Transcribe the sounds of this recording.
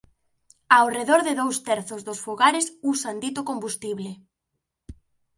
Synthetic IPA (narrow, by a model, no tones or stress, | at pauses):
awreðoɾðɪðowst̪ɛɾθʊzðʊsfuɣaɾɪsusand̪it̪ʊkombust̪iβlɪ